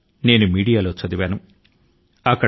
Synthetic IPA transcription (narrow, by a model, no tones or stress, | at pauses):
ne̞ːnumiːɽijaːloːt͡ʃɐd̪iʋaːnu | ɐkːɐ